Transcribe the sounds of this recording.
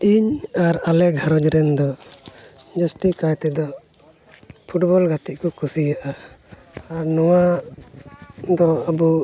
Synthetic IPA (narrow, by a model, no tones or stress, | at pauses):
iɲaɾalɛɡʱaɾɔd͡ʒɾɛnd̪ɔ | d͡ʒɔst̪ikajt̪ɛd̪ɔ | pʰuʈbɔlɡat̪iʔ̚ˀkɔkusijaʔaː | ɾnɔwa | d̪ɔabu